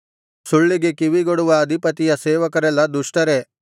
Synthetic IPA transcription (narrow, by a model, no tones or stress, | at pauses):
suɭːiɡe̞kiʋiɡoɽuʋɐːd̪ʱipɐt̪ijɐseːʋɐkɐɾɛlːɐd̪uʂʈɐɾe